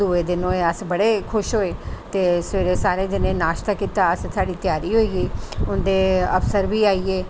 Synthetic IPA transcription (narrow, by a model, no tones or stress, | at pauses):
ueːd̪ɪnõːeːəsbəɽeːkʰʊʃɦoːeːt̪eːsʋeːɾeːsaːɾẽːd͡ʒ̪ɪnẽːnaːʃt̪aːkiːt̪aːəst̪ʰaːɖiːt̪ɪjaːɾiːɦoːiːɡiːʊnd̪eːəpsəɾʋiːaːiːeː